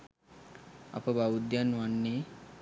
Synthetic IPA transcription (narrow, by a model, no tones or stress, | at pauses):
a̰pəbaud̪janːuanːeː